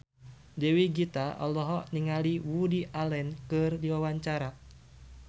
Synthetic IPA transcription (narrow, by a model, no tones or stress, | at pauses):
dɛwiɡit̪aɔ̰lɔɦɔniŋaliwudiʔalɛnkɨrdiwawaɲt͡ʃaɾa